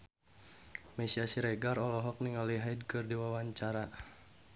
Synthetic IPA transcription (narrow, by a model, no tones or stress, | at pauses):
mɛsiasiɾɛɡarɔlɔɦɔk̚niŋaliɦajdkɨrdiwawaɲt͡ʃaɾa